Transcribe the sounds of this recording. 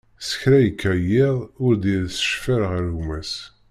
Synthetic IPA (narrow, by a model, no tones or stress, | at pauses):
sə̥çɾæjəkʰːæjɪðˤʊɾd̪iɾsə̥ʃfəɾʁəɾumæs